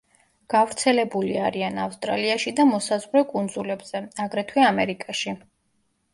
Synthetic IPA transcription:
ɡ̥avɾt̪sʰɛlɛbuliaɾianafst̪ʼɾa̰liaʃid̪amɔsazʁɾɛkʼund̪zulɛbz̥ɛaɡɾɛt̪ʰwɛamɛɾikʼaʃi

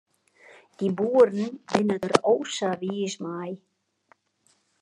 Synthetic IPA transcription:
t̪ibuːɾɪnvɪnːaðʏɾowsavismaːj

